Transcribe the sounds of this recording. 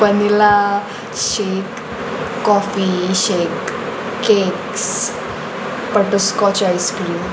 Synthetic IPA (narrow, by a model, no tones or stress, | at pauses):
pənila | ɕiʈː | ɔfiɕekː | eks | pəʈəskɔt͡ɕajskɾim